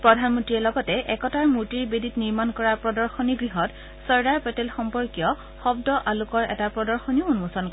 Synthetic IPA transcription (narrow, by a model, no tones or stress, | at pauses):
pɹɔdʱanmɔntɹiɛlɔɡɔtɛʔɛkɔtaɹmuɹtiɹbeditniɹmankɔɹaɹpɹɔdɔɹxɔniɡɹiɦɔt | sɔɹdaɹpɛtɛlxɔmpɔɹkijɔ | xɔbdɔʔalukɔɹɛ̰tapɹɔdɔɹxɔniounmusɔnk